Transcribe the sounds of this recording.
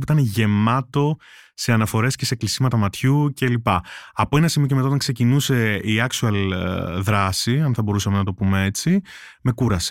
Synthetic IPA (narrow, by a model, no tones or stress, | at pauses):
puit̪ɐneʝe̞mɐt̪o̞ | se̞ɐnɐfo̞ɾe̞sce̞seklisimɐt̪ɐmɐt̪çuce̞lipɐɐpo̞e̞nɐsimiocemt̪aɐot̪ɐŋkse̞cinuse̞iɐksuɐlðɾɐsiɐnθɐbo̞ɾusɐmenɐt̪o̞pumee̞t͡si | me̞kuɾɐsi̥